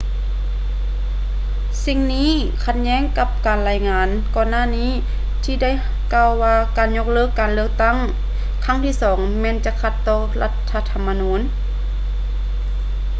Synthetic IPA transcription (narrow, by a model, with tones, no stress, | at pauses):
si˧ŋniː˧˥˨ | kʰa˧t̪̚ɲɛː˧˥˨ŋka˧p̚kaː˨˩nlaː˧˩jŋaː˨˧n | kɔː˧nːaː˧˥˨niː˧˥˩ | t̪ʰiː˧da˥˩˨j | kaː˧wwaː˧kaː˨nɲo˧k̚lɤː˧˥˨kːaː˨nlɯ˧ək̚t̪a˥˩˨ŋ | kʰa˧˥˩ŋt̪ʰiː˧˥˩sɔː˩˦ŋmɛː˧˥nt͡ɕa˧kʰa˧˩t̪ːɔː˧la˧t̪ʰːa˧t̪ʰa˧mːa˧nuː˨˥n